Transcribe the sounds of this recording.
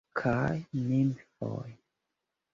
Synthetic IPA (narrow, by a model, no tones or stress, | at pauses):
kʰajnimfɔ̰j